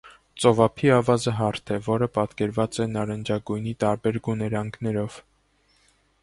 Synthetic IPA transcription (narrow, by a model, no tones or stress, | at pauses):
t͡sɔvɑpʰiɑvɑzəɦɑɾt̪ʰɛvɔɾəpɑt̪kɛɾvɑt͡sɛnɑɾɛnd͡ʒɑɡujnit̪ɑɾbɛɾɡunɛɾɑŋkʰnɛɾɔv̥